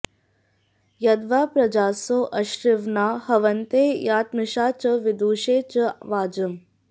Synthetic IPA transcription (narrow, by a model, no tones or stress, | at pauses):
jɐd̪ʋaːpɾɐd͡ʒaːsoʔɐʃɾɪʋnaːhɐʋɐnt̪eːjaːt̪mɪʃaːt͡ʃɐʋɪd̪uːʃeːt͡ʃɐʋaːd͡ʒɐm